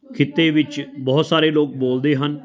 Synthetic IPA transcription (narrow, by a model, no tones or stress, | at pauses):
kʰɪt̪ːeːʋɪt͡ʃbɔːt̪saːɾeːloːk̚boːld̪eːɦən